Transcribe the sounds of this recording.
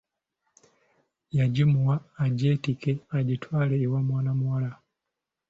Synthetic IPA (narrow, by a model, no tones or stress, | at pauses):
jaɟimuwaːɟetikeaɟitʰwaːleiwamwaːnamuwala